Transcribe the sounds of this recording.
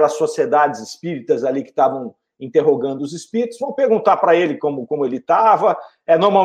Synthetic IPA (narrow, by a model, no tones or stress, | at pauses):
lɐsːosied̪ad͡ʒɪzɪspiɾit̪ɐzalikɪ̥t̪avɐ̃w̃ | ĩt̪eɦoɡɐ̃nd̪ʊʊzɪspiɾit̪ʊzvɐ̃w̃peɾɡũnt̪aɾpɾɐelɪkõmʊkõmʊelɪt̪avɐ | ɛnoɾma